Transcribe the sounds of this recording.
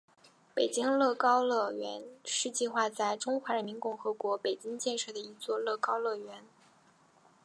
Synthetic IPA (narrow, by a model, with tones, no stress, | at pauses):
pe˨˩ɪt͡ɕi˥ŋlɤ˥˩kɑ˥ʊlɤ˥˩ɥɛ̰˧˥nʂɻ̩˥˧t͡ɕi˥˧xwa˥˧t͡sa˥˩ɪʈ͡ʂʊ˥ŋxwa˧˥ɻə˧˥nmi˧˥nkʊ˥˩ŋxɤ˧˥kwɔ˧˥pe˨˩ɪt͡ɕi˥ŋt͡ɕjɛ˥˧nʂɤ˥˩d̪ə˩i˧˥t͡swɔ˥˧lɤ˥˩kɑ˥ʊlɤ˥˩ɥɛ˧˥n